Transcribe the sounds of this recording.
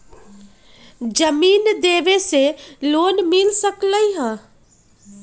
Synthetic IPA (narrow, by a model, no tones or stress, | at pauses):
d͡ʒɐmiːnd̪eːʋeseloːnmɪlsəkləiɦãː